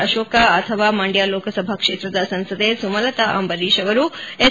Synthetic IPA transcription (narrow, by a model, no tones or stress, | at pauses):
ɐʃoːkaːt̪ʰəʋamaɳɖjaloːkəsɐbʱakʂeːt̪ɾɐd̪asɐnsɐd̪esumɐlɐt̪aʔa̰mbəɾiʃɐʋɐɾue